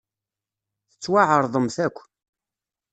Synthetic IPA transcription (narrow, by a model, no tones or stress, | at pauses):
θət͡sːwaʕəɾˤðˤəmθækʷː